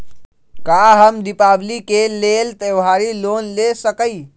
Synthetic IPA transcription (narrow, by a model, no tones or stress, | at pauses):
kaɦəmd̪ipablikelelt̪ewɦaɾilonlesəkəj